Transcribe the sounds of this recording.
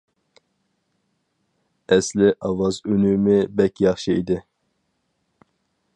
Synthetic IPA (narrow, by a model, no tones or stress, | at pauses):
ɛslɪʔɑwɑzynymɪbɛkʲjɑχʃɨid̪ɪ